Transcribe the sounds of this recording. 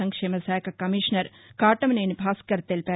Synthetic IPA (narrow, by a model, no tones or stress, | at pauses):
ɐŋkʂeːmɐsaːjkɐkɐmiːʃnɐɾ | kaːʈɐmneːnibʱaːskɐɾt̪eːlpɛ